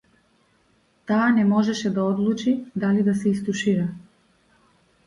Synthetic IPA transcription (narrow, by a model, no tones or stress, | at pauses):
t̪aːnɛmɔʒɛʃɛd̪aɔd̪lˠut͡ʃid̪alid̪asɛist̪uʃiɾa